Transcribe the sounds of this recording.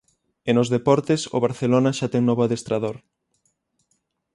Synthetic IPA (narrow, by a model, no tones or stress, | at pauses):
enozðepɔɾt̪eso̰β̞aɾθelonaʃat̪ɛŋnɔβoaðest̪ɾaðoɾ